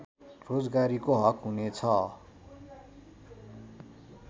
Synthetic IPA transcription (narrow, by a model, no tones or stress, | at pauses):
rod͡zɡaɾikoɦʌkɦunet͡sʰʌ